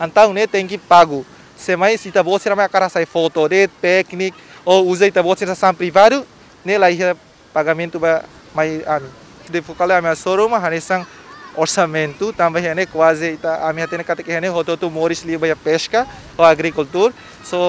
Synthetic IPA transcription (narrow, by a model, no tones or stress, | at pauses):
ãnt̪awnet̪eŋkipaɡu | semajsit̪aboseɾamajakaɾasajfot̪od̪ep̪eknik̚ouzait̪abosinsasampɾiβad̪u | nelaiɦa | paɣamẽnt̪uba | majami | d̪efokaleamiasoɾomaɦanesaŋ | oɾsamẽnt̪ut̪ambaɦanekwazeit̪aamihat̪enekat̪ekehanehot̪ot̪umoɾislibajapeska | oaɡɾikult̪uɾ | so